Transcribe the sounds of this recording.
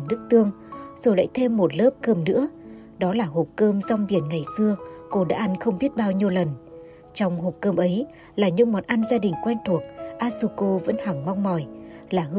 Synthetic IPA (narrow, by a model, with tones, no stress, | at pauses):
nɨ˦˥k̚t̪ɨ˧əŋ | z̥o˨˩jla̰ː˧˨jt̪ʰe˧mːo˨˩t̚ləː˦˥p̚kəː˧˩mnɨ̰˧˥ə | ɗɔ˨˦laː˨˩ɦo˨˩p̚kəː˧mza˧wŋ͡mɓi˨˧˩ənŋa˨˩jsɨ˧əko˧ɗa̰ː˧˥ʔa˧nxə˧wŋ͡mɓi˦˥ət̚ɓaː˧wɲi˧əwlə˨˩n | t͡ɕɔ˧wŋ͡mɦo˨˩p̚kəː˧mʔə˨˦j | laː˨˩ɲɨ̰˧˥ŋmɔ˨˩nʔa˧nzaː˧ɗï˨˩ŋ̟kwɛ˧nt̪ʰu˨˩ək̚ʔaː˦˥su˧ko˧və̰˧˥nhwa˨˩ŋma˧wŋ͡mmɔ˨˩jlaː˨˩h